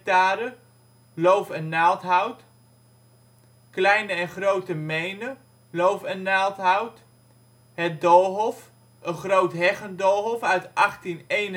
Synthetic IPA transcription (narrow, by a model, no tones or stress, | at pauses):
taːɾə | lowfɛnːaːlˠtɦɑwt | klɛjnəɛnχrowtəmejnə | lowfɛnːaːlˠtɦɑwt | ɦɛt̚dolˠɦɔf | ʔənχrowtɦɛχəndolˠɦɔfœɥtʔɑχtinejnə